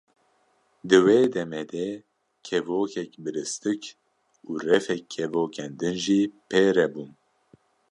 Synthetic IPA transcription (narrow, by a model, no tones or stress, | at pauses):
d̪ɨweːd̪ɛmɛd̪ɛ | kʰɛvoːkʰɛkbɨɾɨst̪ɨk | uːrɛfɛkʰːɛvoːkʰɛnd̪ɨnʒiːpʰeːɾɛbun